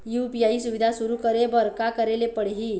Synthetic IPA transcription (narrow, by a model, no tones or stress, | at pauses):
jupijaisuʋid̪ʱasuɾukəɾebəɾkakəɾelepəɽɦi